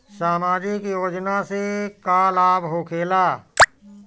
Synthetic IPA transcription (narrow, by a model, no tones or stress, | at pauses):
saːmaːd͡ʒɪkjoːd͡ʒnasekaːlaːbɦokʰeːlaː